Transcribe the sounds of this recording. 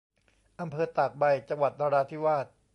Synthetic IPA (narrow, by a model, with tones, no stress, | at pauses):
ʔa˧mpʰɤː˧t̪a˨˩k̚ba˧jt͡ɕa˧ŋwa˨˩t̪̚daː˧ɾaː˧t̪ʰiː˥˩waː˥˩t̪̚